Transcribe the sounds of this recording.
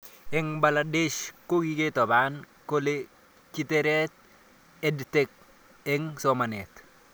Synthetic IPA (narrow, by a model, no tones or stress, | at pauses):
ɪŋbaladeʃkoɡiketɔban | kole | kiteɾet̚ | edtek̚ | ɪŋsomanet